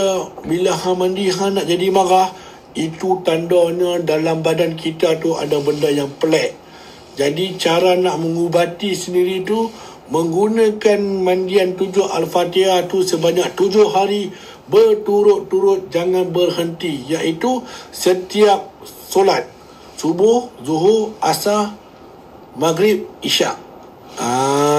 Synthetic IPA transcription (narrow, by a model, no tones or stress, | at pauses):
bilaɦãmãndiɦãnaʔd͡ʒadimãɾah | it̪ut̪andɔɲadalambadankʰit̪at̪ua̰dabəndajaŋpəlɛʔ | d͡ʒadit͡ʃaɾanaʔməŋubat̪isəndiɾit̪u | mə̃ŋɡunãkanmandiant̪ud͡ʒʊha̰lfat̪iat̪usəbaɲak̚t̪ud͡ʒʊhaɾi | bərt̪uɾʊt̪ːuɾʊt̪̚d͡ʒaŋanbərhənt̪ijaʔit̪usət̪iap̚ | solat̪̚ | subʊhzuɦurasa | maɡɾɪp̚iʃa̰ʔ | a